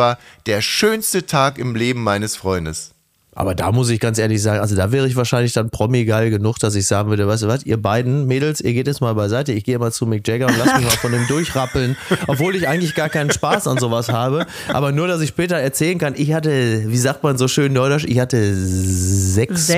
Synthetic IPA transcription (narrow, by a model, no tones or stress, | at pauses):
vaːɐd̥eːɐʃøːnstətʰaːkɪmleːbm̩maɪnəsfʁ̥ɔʏndəs | ʔa̰ːbɐda̰ːmʊsɪçɡ̥ant͡sʔeːɐlɪçzaːɡŋʔa̰lzodaːvɛːʁəɪç̬v̥aːɐʃaɪnlɪçd̥anpʁ̥ɔmiɡalɡənʊxd̥as̬ɪçz̥aːɡŋ̩vʏɐdəvaɪstuvasʔḭːɐbaɪdn̩meːdl̩sʔiːɐɡeːtɛsmaːlbaɪzaɪtəɪçɡ̥eːɪmat͡sumɪk̚d͡ʒ̥ɛɡaʊntlasmɪçmaːlfɔndeːmdʊɐçʁapl̩nʔɔpv̥oːlɪçʔaɪɡŋ̩tlɪçɡ̥aːɐkaɪnənʃpaːsanzoːvashaːbə | ʔʔa̰ːbɐnuːɐɾas̬ɪçʃpɛːtɐɛɐt͡sɛːlənkanɪçhatəviːzaːk̚tmanzoːʃøːnːɔɪdɔʃɪçhatə | zɛks